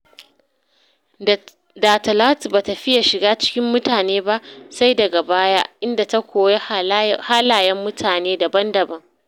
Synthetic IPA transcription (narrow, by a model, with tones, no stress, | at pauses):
da˨tɐ˨la˦tbaː˨tɐ˨ɸɪ˦ja˨ʃɪ˨ɡaː˦t͡ʃɪ̥˦kʲɪ˦mːʊ˦taː˨neː˦ba˦ʔsa˦jdɐ˨ɡa˨baː˦ja˦ʔɪ˦nda˨ta˦kʷoː˨je˦haː˦laː˨jɛ˦mːʊ˦tʰaː˨neː˦da˨bɐ˦ndɐ˨bɐ˦ŋ